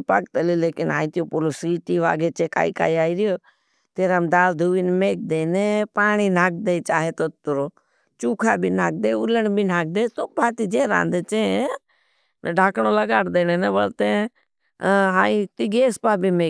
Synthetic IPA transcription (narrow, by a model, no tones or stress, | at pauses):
pək̚t̪əlileːkɪna̰ːĩt̪ijopʊlosiːʈiːʋa̰ːɡeːt͡ʃeːka̰ːika̰ːiaːiɾɪjoː | t̪eːɾamd̪aːld̪ʱuːʋinmeːk̚d̪eːnepaːɽ̃inaːk̚d̪eit͡ʃaːɦet̪ot̪ɾoː | t͡ʃuːkʰaːbʱiːnaːk̚d̪eːʊləɳbʱinaːk̚d̪eːt̪oːbʱaːt̪id͡ʒeːɾa̰ːnd̪et͡ʃẽ | ɖʱaːkɳoləɡaːʈd̪eːneːneʋəlt̪ẽ | ɦaːit̪iɡeːspaːbʱimeː